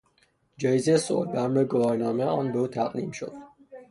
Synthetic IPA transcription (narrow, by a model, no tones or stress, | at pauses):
d͡ʒɒːjizejeso̰lbæmɾeɡovɒːɾnɒːmejɒːnbeuːt̪ʰæɣd̪ḭːmʃo̰d̪̥